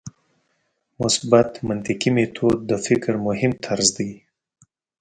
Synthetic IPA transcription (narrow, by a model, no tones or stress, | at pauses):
mʊsbat̪mant̪ɪqimet̪ʰod̪̚ːəfɪkɾmʊhɪmt̪ʰaɾzd̪ij